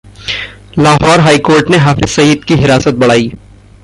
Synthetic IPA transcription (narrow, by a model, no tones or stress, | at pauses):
laːɦɔːɾɦaːikoːɾʈneɦaːfɪz̥sɐiːd̪kiɦɪɾaːsət̪̚bɐɽ̤aːiː